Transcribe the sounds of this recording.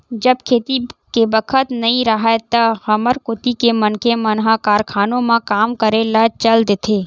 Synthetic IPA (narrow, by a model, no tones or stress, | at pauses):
d͡ʒəbkʰeːt̪ikebəkʰət̪nɐɦĩɾɐɦet̪ɐhɐməɾkʊt̪ikemɐnkemɐnɦãkaːɾkʰaːnõmãkaːmkəɾelat͡ʃəld̪eːt̪ʰeː